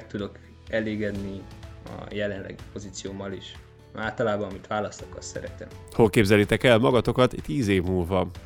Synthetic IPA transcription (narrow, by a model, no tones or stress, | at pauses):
k̚t̪ud̪o̞k | ɛleːɡɛd̪niɒ̰jɛlɛnlɛ̰ɡipo̞zit̪sijoːmːɒliʃ | aːlt̪ɒlaːbɒmit̪ʋaːlɒst̪okɒt̪sɛ̰ɾɛt̪ɛ̰mho̞lkeːbzɛlːit̪ɛkɛlmɒɡɒt̪o̞kɒt̪t̪ːiːzeːvmuːlvɒ